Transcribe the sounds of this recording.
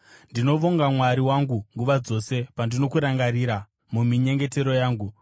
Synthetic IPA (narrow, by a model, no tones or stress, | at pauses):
ndino̞ʋoŋɡamwaɾiwaŋɡuŋɡuʋad͡zo̞se̞pandino̞kuɾaŋɡaɾiːɾa | mumiɲe̞ŋɡe̞te̞ɾojaːŋɡu